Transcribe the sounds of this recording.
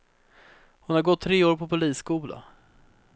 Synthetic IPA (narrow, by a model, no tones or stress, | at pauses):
hʊnhaɾɡɔt̪ʰːɾeːoːɾpʰɔpʊliːsːkuːla̰